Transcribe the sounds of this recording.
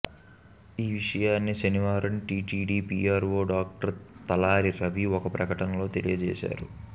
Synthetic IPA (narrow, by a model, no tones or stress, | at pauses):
iːʋiʂɐjaːnːiʃɐniʋaːɾɐnʈiːʈiːɖiːpiːaːɾʋo̞ːɖaːk̚ʈɐɾt̪ɐlaːɾiɾɐʋiɔkɐpɾɐkɐʈɐnɐlo̞ːt̪elijɐd͡ʒɛ̰ːʃa̰ːɾu